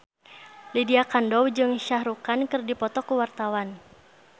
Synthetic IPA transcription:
lidiakandɔwd͡ʒɨŋʃahɾukankɨrdipɔt̪ɔkuwart̪awan

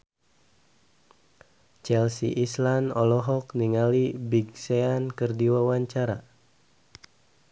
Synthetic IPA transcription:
t͡ʃɛlsḭʔislanɔlɔɦɔk̚niŋalibiɡseankɨrdiwawaɲt͡ʃaɾa

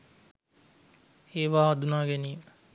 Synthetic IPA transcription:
eːʋaːɦad̪unaːɡeniːmə

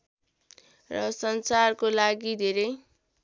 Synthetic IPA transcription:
rʌsʌnsarkolaɡid̪ʱeɾʌj

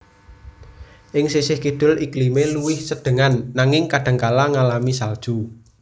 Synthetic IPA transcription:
ʔɪŋsisɪhkiɖ̪̥ʊ̤lʔiklimeluwɪhsəɖ̥ə̤ŋanːaŋɪŋkaɖ̥a̤ŋkalaŋalamisald̥ʒ̥u

